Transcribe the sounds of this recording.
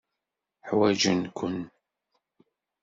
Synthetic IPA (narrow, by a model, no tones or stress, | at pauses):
ħwæd͡ʒənkʷʰʊn